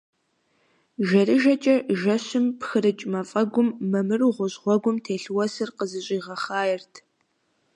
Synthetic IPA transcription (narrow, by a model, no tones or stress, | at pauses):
ʒɐɾɨʒɐt͡ʃʼɐʒɐɕɪmpxɨɾɨt͡ʃʼmɐfʼɐɡʷʊmːɐmɨrʁʷʊʑʁʷɔɡʷʊmtʰeːɬwɔsɨrqəzɨɕʼiːʁɐχaːjɪrtʰ